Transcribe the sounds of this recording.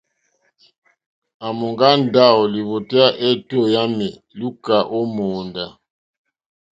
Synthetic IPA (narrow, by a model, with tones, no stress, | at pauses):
a˨mo˨ŋɡa˦nda˦˨ɔ˨li˨βo˨te˦a˦ʔɛ˦˨to˦˨ja˦mɛ˨ | lu˦ka˨ʔo˦mɔ˨nda˨